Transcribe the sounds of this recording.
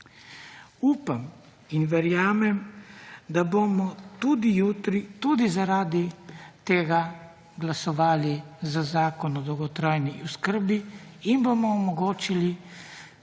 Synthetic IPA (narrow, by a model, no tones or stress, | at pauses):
uːpam | inʋɛɾjaːmɛmd̪abomɔt̪ud̪ijut̪ɾit̪ud̪izaɾaːd̪it̪eːɡa | ɡlasɔʋaːlizazaːkɔnɔd̪ɔwɡɔt̪ɾaːjniʔuskəɾbiːnbomɔːmɔɡoːt͡ʃili